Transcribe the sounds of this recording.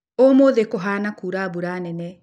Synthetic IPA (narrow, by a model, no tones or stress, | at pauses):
omoðekoɦaːnakuːɾaːbuɾaːnɛnɛ